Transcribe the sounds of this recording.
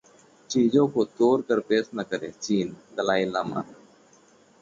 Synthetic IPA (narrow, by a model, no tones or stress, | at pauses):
t͡ʃiːd͡ʑõkoːt̪oːɾkəɾpeːsnəkəɾḛt͡ʃiːnd̪əlaːilaːma̰